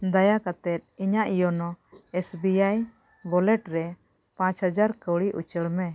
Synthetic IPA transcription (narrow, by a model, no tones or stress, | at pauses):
d̪ajakat̪ɛt̪̚iɲaʔijɔnɔɛsbiaj | bɔlɛʈɾɛ | pãt͡ʃhad͡ʒaɾkəwɽiʔut͡ʃəɽmɛ